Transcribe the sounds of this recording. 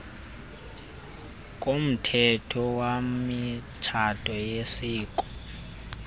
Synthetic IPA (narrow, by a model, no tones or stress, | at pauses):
kʼom̩tʰɛtʰɔwamit͡ʃʰatʼɔjesiːkʼɔ̥